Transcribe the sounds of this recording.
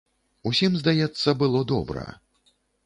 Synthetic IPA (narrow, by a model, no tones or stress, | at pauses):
usʲimzd̪ajɛt̪sːɐbɨlˠɔd̪ɔ̰bɾɐ̰